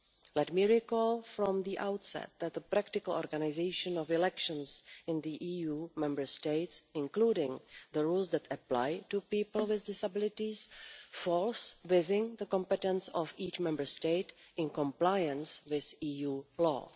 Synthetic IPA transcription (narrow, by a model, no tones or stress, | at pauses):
lɛtmiːɹikɔlˠfɾɔ̃mðiʔawtsɛ̰t̪̚d̪ɛt̪̚d̪əpɾaktɪkəlɔ̰ɾɡanɪzeɪʃə̃nɔfɪlɛkʃə̃nsɪ̃nðiʔijuːmɛ̃mbə˞steɪtsɪ̃nkluːdɪ̃ŋðəɹuːlsd̪ɛtʰəpla̰jtupiːpl̩ˠwɪzdɪsabɪlɪtɪsfɔlsvɪzɪ̃ŋðəkɔ̃mpɛtɛ̃nsɔfiːt͡ʃmɛ̃mbə˞steɪt | ɪ̃nkɔ̃mplajə̃nswɪθiːjuːlɔ̰ː